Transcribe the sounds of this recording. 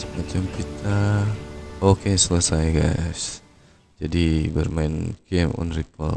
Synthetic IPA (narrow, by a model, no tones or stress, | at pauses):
mat͡ʃamkit̪ʰa | okesələsajɡas | d͡ʒadibərmaɪnkemɔ̰nripə̰l